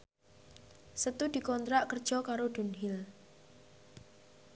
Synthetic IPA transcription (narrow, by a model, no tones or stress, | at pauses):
sət̪ud̪̥i̤kɔnt̪ɾaʔkərd̥ʒ̥ɔkaɾod̥̪ṳnɦɪl